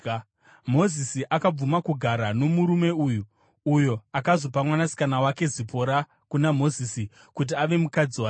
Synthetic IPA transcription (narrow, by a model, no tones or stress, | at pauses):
mo̞zisiʔakab͡vumakuɡʱaɾano̞muɾume̞ujuː | jo̞akazo̞pamwanasi̥kanawake̞zipʰo̞ɾa | kunamo̞zisi | kut̬iaʋe̞mukad͡ziwaː